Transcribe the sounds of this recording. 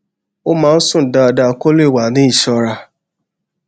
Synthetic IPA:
o˦mãː˦n̩˦sũ˦˨n̩˨da˧a˧da˧ko˦le˦˨wa˨nĩ˨˦i˦˨ʃɔ˧ɾa˧

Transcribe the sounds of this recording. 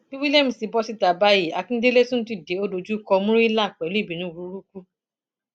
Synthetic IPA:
bi˦wi˦lɛ˦mĩ˨˧si˨˦bɔ˦si˦˨ta˨ba˦ji˦˨a˨˧˨kĩ˦de˦le˦tũ˦n̩˦tu˦i˨de˨˦o˦do˧d͡ʒu˦kɔ˧mũ˦ɾi˦la˦˨k͡pɛ˨˦li˦˨bĩ˨nũ˦˨wu˨˧˦ɾu˦ku˦

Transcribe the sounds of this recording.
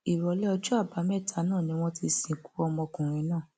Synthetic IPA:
i˨ɾɔ˨˧˦lɛ˦ɔ˧d͡ʒɔ˦a˦˨ba˨˦mɛ˦˨tʰa˨˦nãː˦˨nĩ˧˦w̃ɔ̃˧ti˧sĩ˨˧˨ku̥˦ɔ˧mɔ̃˧kũ˨ɾ̃ĩ˨˧˦nãː˦˨

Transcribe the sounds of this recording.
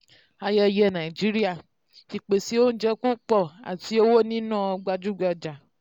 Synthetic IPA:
a˨jɛ˦jɛ˦nã˨i˨d͡ʒi˦ɾi˦a˨ | t͡ʃi˨k͡pe˨si˨˦wo˦d͡ʒɛ˦ku˦k͡pɔ˦a̰˨ti˦o˦wo˦nĩ˦nɔ̃˦ɡ͡ba˦d͡ʒu˦ɡ͡ba˦d͡ʒa˨

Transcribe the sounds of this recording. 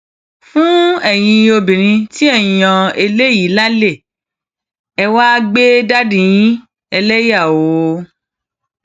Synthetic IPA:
fũ˦ɛ˦˨j̃ĩ˧o˧bĩ˨ɾ̃ĩ˧ti˦ɛ˦˨jã˧e˧le˦ji˨˦la˦le˦˨ | ɛ˧wa˦ɡ͡be˦da˦dĩ˨jĩ˦ | ɛ˧lɛ˦ja˦˨o˨˦

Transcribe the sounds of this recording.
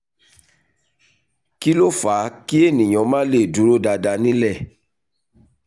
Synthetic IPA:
ki˦lo˦˨faː˨˦ki˦e˦˨nĩ˨j̃ɔ̃˨˦mãː˦le˦˨du˨˦ɾo˦da˧da˧nĩ˦lɛ˦˨

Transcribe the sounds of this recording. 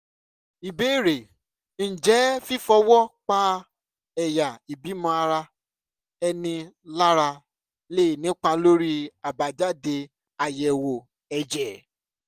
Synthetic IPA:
i˨be˨˦i˦˨ɾe˨ | n̩˨d͡ʒɛ˨˦fi˦fɔ˧wɔ˦k͡pa˧ | ɛ˨ja˨i˨bi˨˦mɔ̃˧a˧ɾa˧ | ɛ˧nĩ˧ | la˦ɾa˧ | le˦i˨nĩ˨˦k͡pa˧lo˦ɾi˦a˨ba˨d͡ʒa˦de˧ | a˨jɛ˨wo˨ | ɛ˨d͡ʒɛ˨

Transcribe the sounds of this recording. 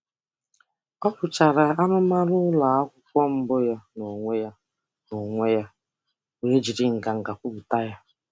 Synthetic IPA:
ɔ˦bʊ˨t͡ʃa˨ɾa˨a˦nʊ˦ma˦ɾʊ˦la˨a˦kʷʊ˦kʷɔ˦m̩˦bʊ˦ja˦no˨ŋʷe˦ja˦ | no˨ŋʷe˦ja˦ | we˨e˦d͡ʒi˨ɾɪ˦˨ŋ̩˨ɡa˨ŋ̩˨ɡa˨kʷʊ˦bu˨ta˦ja˦

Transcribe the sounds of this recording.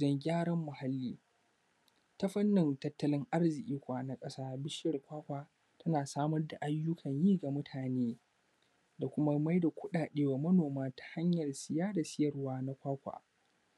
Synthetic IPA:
ɐ˦ŋɡʲaː˦ɽɐ˦mːʊ˨ha˦lːiː˦ | ta˦ɸɐ˦nːɪ˨ntɐ˦tːɐ˦lɪ˦ŋʔa˦rzɪ˨ʔʲʼiː˦kʷaː˨na˦kʼɐ˦saː˦bɪ˦ʃɐ˨rkʷaː˦kʷaː˨ | tɐ˦naː˨saː˦mɐ˦rda˨ʔa˦jːʊ˦kʰɐ˨ɲjiː˦ɡa˨mʊ˦tʰaː˨neː˦ | da˨kʷʊ˦ma˦ma˦jda˨kʷʊ˦ɗaː˨ɗeː˦waː˨mɐ˦noː˨maː˦tḁ˨ha˦ɲjɐ˨rsɪ˨jaː˦da˨sɪ˦jɐ˨rwaː˦na˦kʷaː˦kʷa̰ː˨

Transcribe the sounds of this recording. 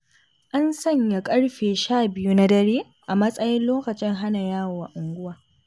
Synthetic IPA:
ʔa˦nsɐ˦˨ɲja˨kʼɐ˦ɽɸeː˨ʃaː˦˨bɪ˦ju˦na˦dɐ˦ɾeː˦ | ʔa˨mɐ˦sʼɐ˦jɪ˦nloː˦kɐ˨t͡ʃɪ˦ŋɦa˦na˨jaː˦wo˨wa˨ʔʊ˨ŋɡʷʊ˦waː˨

